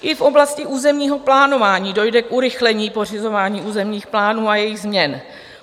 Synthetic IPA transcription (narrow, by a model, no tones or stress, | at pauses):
ʔɪfʔo̞blascɪʔuːzɛmɲiːɦo̞plaːno̞vaːɲiːdo̞jdɛkʔuɾɪxlɛɲiːpo̞r̝ɪzo̞vaːɲiːʔuːzɛmɲiːxplaːnuːajɛjɪɣzmɲɛn